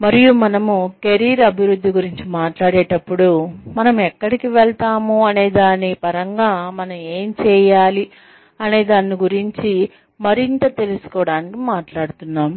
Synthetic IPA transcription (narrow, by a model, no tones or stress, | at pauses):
mɐɾijumɐnɐmuke̞ɾiːɾɐbʱiɾud̪ːiɡuɾiɲt͡ʃimaːʈlaːɽeːʈɐpːuɽumɐnɐmɛkːɐɽikiʋɛɭt̪aːmuɐne̞ːd̪aːnːipɐɾɐŋɡaːmɐnɐme̞ːmt͡ʃɛːjaːli | ɐne̞ːd̪aːnːiɡuɾiɲt͡ʃi | mɐɾint̪ɐt̪e̞lusu̥kɔːɽaːnikimaːʈlaːɽut̪unːaːm